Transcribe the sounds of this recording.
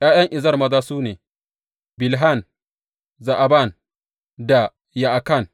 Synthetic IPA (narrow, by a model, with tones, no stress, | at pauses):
j̰aː˦jɐ˦ŋʔɪ˨zɐ˦rmɐ˦zaː˦suː˦neː˨ | bɪ˨lɦa˦˨n | za˨ʔa˨ba˦˨n | da˨ | ja˨ʔa˨ka˦˨n